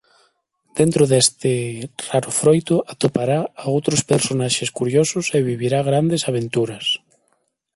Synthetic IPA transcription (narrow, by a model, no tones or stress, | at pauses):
d̪̥ent̪ɾoðest̪ɪraɾʊfɾojt̪ʊʔat̪opaɾaːowt̪ɾospeɾsonaʃeskuɾjosʊseβiβ̞iɾaɣ̞ɾand̪esaβ̞ent̪uɾɐs